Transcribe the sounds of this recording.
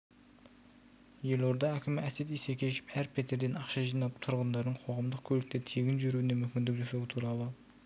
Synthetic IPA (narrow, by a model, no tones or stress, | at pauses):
je̞lo̞ɾd̪ɑækʲʰɪmæse̞t̪isekʲeeʃɪ̥pæɾpʰet̪e̞ɾd̪e̞nɑqʃɑʒijnɑp̚t̪ʰʊɾʁənd̪ɑɾd̪əɴqʰo̞ʁɑmd̪əq̚kʲʰɵlɪk̚t̪ɪt̪ʰeɡʲɪnʒʏɾuwɪne̞mʏmʲkʲɪnd̪ɪkʒosɑwɪt̪ʰuɾɑlˠə